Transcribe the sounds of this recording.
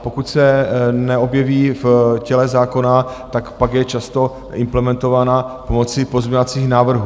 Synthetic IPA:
po̞kut̪sɛnɛo̞bjɛviːfcɛlɛzaːko̞nat̪akpaɡjɛt͡ʃast̪o̞ | ʔɪmplɛmɛnt̪o̞vaːnapomo̞t͡sɪpo̞zmɲovat͡siːxnaːvr̩ɦu

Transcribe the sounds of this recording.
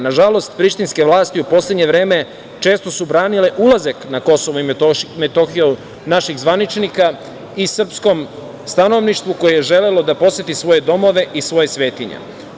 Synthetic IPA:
naʒalo̞st̪pɾiʃt̪inske̞ʋlˠaːst̪iupo̞sle̞d̪ɲe̞ʋɾe̞ːme̞ | t͡ʃe̞ːst̪o̞subɾaːnile̞ʔulˠazaknako̞soʋoimet̪oxio | naʃiɣzʋanit͡ʃnika | isr̩psko̞m | st̪ano̞ʋniʃt̪ʋuko̞jejeʒe̞le̞lo̞d̪apo̞sje̞t̪isʋo̞je̞d̪o̞mo̞ʋe̞ʔisʋo̞je̞sʋe̞ːt̪iɲḛ

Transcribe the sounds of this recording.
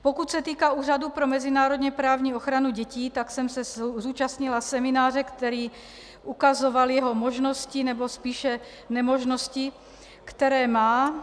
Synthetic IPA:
pokut̪sɛt̪iːkauːradupɾomɛzinaːɾod̪ɲɛpɾaːvɲiːoxɾanuɟɛciːt̪aksɛmsɛzuːt͡ʃast̪ɲilasɛmɪnaːrɛkt̪ɛɾiː | ʔukazovaljɛɦomoʒnoscinɛbospiːʃɛ | nɛmoʒnosci | kt̪ɛɾɛːmaː

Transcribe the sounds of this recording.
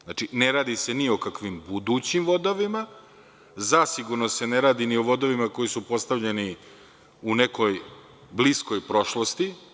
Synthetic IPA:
nat͡ʃine̞ɾaːd̪ise̞nio̞kakʋimbud̪uːt͡ɕimʋo̞d̪oʋima | zasiɡuɾnose̞ne̞ɾaːd̪inio̞ʋo̞d̪o̞ʋimako̞jisupo̞st̪avʎeni | une̞ko̞j | blisko̞jpɾo̞ʃlˠo̞st̪i

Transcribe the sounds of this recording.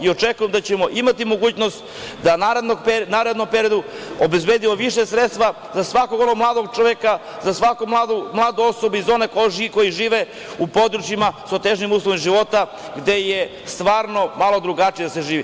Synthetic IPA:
io̞t͡ʃekujemd̪at͡ɕemo̞ʔimat̪imo̞ɡuːt͡ɕnost̪ | d̪anaɾed̪noɡpenaɾed̪nompe̞ɾio̞d̪uobe̞zbeːd̪imoʋiʃesɾet̪st̪ʋa | zasʋakoɡo̞noɡmlˠaːd̪oɡ̚t͡ʃoʋeka | zasʋakomlˠaːd̪umlˠaːd̪oosobeizo̞nekoiko̞jiʒiːʋe | upo̞d̪ɾut͡ʃimasot̪eʒnimuːslˠoʋimʒiʋo̞t̪a | ɡd̪e̞je | st̪ʋaːɾno̞malˠo̞d̪ɾuɡat͡ʃije̞d̪ase̞ʒiːʋi

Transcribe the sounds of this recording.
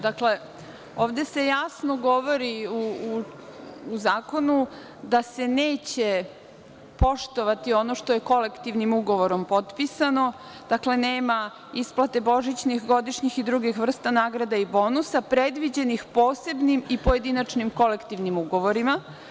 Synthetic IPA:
d̪akle̞ | oːʋd̪e̞se̞jasnoɡo̞ʋo̞ɾiuuː | zaːko̞nu | d̪ase̞neːt͡ɕe | po̞ʃt̪oʋat̪io̞noʃt̪oje̞ko̞le̞kt̪iʋnimuɡo̞ʋoɾo̞mpo̞t̪pisano̞ | d̪̥akle̞neːma | isplˠat̪e̞boʒit͡ɕnixɡo̞d̪iʃɲixid̪ɾuɡixʋr̩st̪anaːɡɾad̪aibo̞ːnusapɾed̪ʋid͡ʑenixpoːse̞bnimipoje̞d̪inat͡ʃnimko̞le̞kt̪iʋnimuɡo̞ʋo̞ɾima

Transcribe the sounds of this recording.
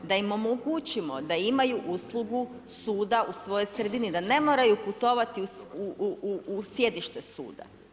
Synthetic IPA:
d̪aimo̞moɡut͡ʃimo̞d̪aimajuʔuslˠuɡu | suːd̪ausʋo̞jo̞jsɾe̞d̪inid̪ane̞mo̞ɾajuput̪o̞ʋat̪iuuusje̞d̪iʃt̪esṵːd̪a̰

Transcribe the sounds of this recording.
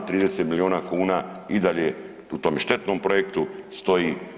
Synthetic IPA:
t̪ɾiːd̪eset̪milioːnakuːnaid̪aʎe | ut̪o̞ːmʃt̪e̞t̪nompɾojekt̪ust̪o̞ji

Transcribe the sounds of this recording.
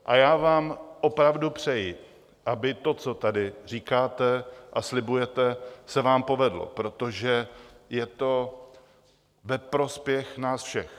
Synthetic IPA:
ʔajaːvaːmʔo̞pɾavdupr̝̥ɛjɪ | ʔabɪt̪o̞t͡so̞t̪adɪr̝iːkaːt̪ɛʔaslɪbujɛt̪ɛsɛvaːmpo̞vɛdlo̰pɾo̞t̪o̞ʒɛjɛt̪o̞ | vɛpɾo̞spjɛxnaːsfʃɛx

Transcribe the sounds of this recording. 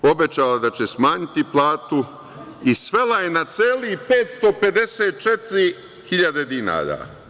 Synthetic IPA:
o̞bet͡ɕalad̪at͡ɕesmaːɲit̪iplˠaːt̪u | isʋe̞laje̞nat̪seːlipeːt̪st̪o̞pe̞d̪eseːt̪̚t͡ʃet̪iɾi | hiʎad̪e̞d̪ina̰ːɾa̰

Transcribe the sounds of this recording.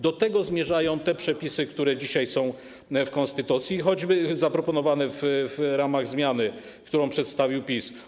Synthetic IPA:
d̪ɔt̪ɛɡɔzmʲjɛʐajɔ̃w̃t̪ɛpʂɛpʲisɘkt̪uɾɛd͡ʑiɕajsɔ̃w̃ | fkɔnst̪ɘt̪ut̪sʲjixɔd͡ʑbɘzapɾɔpɔnɔvanɛvvɾamaɣzmʲjanɘ | kt̪uɾɔ̃w̃pʂɛt̪st̪avʲiwpʲis

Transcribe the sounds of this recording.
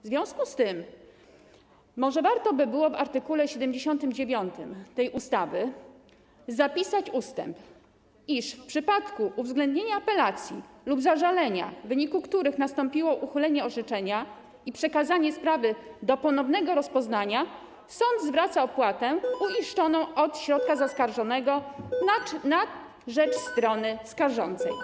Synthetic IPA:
vzvʲjɔ̃w̃skust̪ɘm | ɔʐɛvaɾt̪ɔbɘbɘwɔvaɾt̪ɘkulɛɕɛd̪ɛmd͡ʑeɕɔnt̪ɘmd͡ʑevʲjɔnt̪ɘmt̪ɛjʔust̪avɘ | zapʲisat͡ɕust̪ɛ̰mp | iʂfpʂɘpat̪kuʔuvzɡlɛnd̪ɲeɲaːpɛlat̪sʲjilubzaʐalɛɲa̰vɘɲikukt̪uɾɘxnast̪ɔmpʲiwɔʔuxɘlɛɲɛɔʐɛt͡ʂɛɲa | ipʂɛkazaɲɛspɾavɘd̪ɔpɔnɔvnɛɡɔɾɔspɔznaɲa | sɔnd̪zvɾat̪saɔpwat̪ɛuɲiʂt͡ʂɔnɔ̃w̃ɔt̪ɕɾɔt̪̚kazaskaɾʐɔnɛɡɔ | na | ʐɛt͡ʂst̪ɾɔnɘskaɾʐɔnt̪sɛ̰j

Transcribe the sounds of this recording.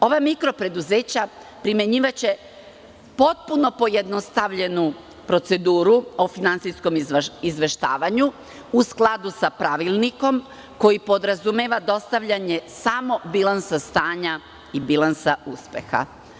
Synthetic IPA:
o̞ʋamikɾo̞pɾe̞d̪uzeːt͡ɕa | pɾime̞ɲiːʋat͡ɕe̞ | po̞t̪̚puno̞po̞jed̪no̞st̪aʋʎe̞nu | pɾo̞t̪se̞d̪uːɾuo̞finansisko̞mizʋe̞ʃt̪aːʋaɲu | usklˠad̪usapɾaʋilˠniko̞m | ko̞jipo̞d̪ɾazumeːʋad̪o̞st̪aʋʎaɲe̞samo̞bilˠansast̪aːɲa | ibilˠansauspe̞̰xa̰

